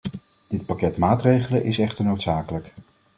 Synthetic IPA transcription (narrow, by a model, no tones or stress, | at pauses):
d̥ɪt̚pakɛtmaːtrejχələnʔɪsɛχtəɹnowtsaːkələk